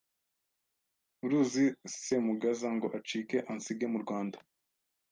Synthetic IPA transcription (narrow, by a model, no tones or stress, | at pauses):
uɾuːzisemuɡazaŋɡo̞ʔat͡ʃiːke̞ʔansiɡemuɾɡwaːnda